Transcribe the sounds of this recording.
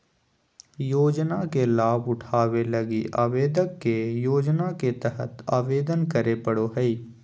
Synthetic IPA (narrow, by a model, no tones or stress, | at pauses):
joːd͡ʒnakelaːbʊʈʰaːweləɡiʔaːʋeːd̪əkːejoːd͡ʒnaket̪əɦə̰t̪aːʋeːd̪ənkəɾepəɽoɦɛiː